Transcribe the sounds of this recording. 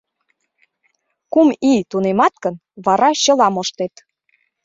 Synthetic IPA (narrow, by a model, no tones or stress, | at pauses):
kumit̪unemɑt̪̚kən | βɑɾɑɕɤ̆lɑmoʃt̪et̪